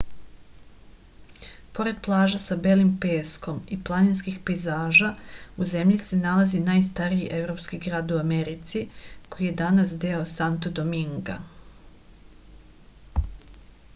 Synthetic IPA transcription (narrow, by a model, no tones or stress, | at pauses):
po̞ɾe̞d̪̚plˠaːʒasabelimpe̞ːsko̞miplˠaninskixpezaːʒauze̞mʎise̞nalazinaːjst̪aɾiiʔevɾo̞ːpskiɡɾaːd̪uame̞ɾit̪siko̞jije̞d̪anasd̪e̞osant̪od̪omiŋɡa̰